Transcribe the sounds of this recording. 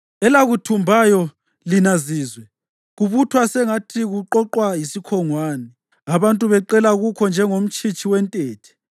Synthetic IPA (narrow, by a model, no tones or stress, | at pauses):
ɛlaɣutʰumbʱajɔ | linaziːzwɛ | ɣuβutʰwasɛŋatʰiɣuǃɔǃwajisikʰɔŋwaːnɛ | aβantʼuβɛǃɛlaɣukʰɔnd͡ʒʱɛŋom̩t͡ʃʼit͡ʃʰʼiwɛntʼeːtʰɛ̥